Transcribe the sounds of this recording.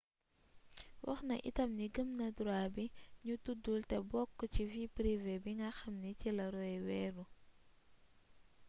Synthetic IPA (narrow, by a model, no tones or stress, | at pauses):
wɐ̰xnɐʔḭtɐmniɡəmnɐduɾabiɲutudultɛbɔkːut͡ʃivipɾivebiŋɡɐxɐmnicilɐɾɔjɛwɛːɾu